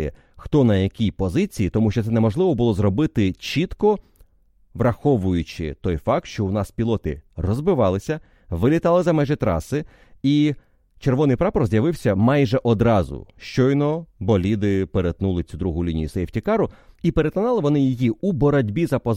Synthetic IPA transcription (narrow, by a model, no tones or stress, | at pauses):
ɛ | xt̪ɔnɐjɐkʲipɔzɪt͡sʲijit̪ɔmuʃt͡ʃɔt̪sɛnɛmɔʒlˠɪʋɔbʊlˠɔzrɔbɪt̪ɪt͡ʃit̪kɔ | ʋrɐxɔʋʊjʊt͡ʃɪ̰t̪ɔjfɑk̚t̪ʃt͡ʃɔwnɑspʲilˠɔt̪ɪrɔzbɪʋɑlˠɪsʲɐ | ʋɪlʲit̪ɑlˠɪzɐmɛʒɛt̪ɾɑ̰sɪ | i | t͡ʃerʋɔnɪjpɾɑpɔɾzʲjɐʋɪwsʲɐmɑjʒɛʔɔd̪ɾɑzʊ̰ʃt͡ʃɔjnɔbɔlʲid̪ɪpeɾet̪nulˠɪt͡sʲud̪ɾuɦʊlʲinʲijʊsɛjwtʲikɑɾʊipeɾet̪ɔnɑlˠɪʋɔnɪjijiubɔɾɔdʲbʲizɐpɔ